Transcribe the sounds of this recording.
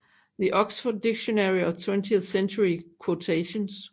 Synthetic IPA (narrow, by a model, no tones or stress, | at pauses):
ðiʔɔksfɔdːɪɡʃonɛɹiʌtʰwɛ̃ntʰiəθsɛ̃nt͡ʃuɹikʰwotʰeʃə̃ns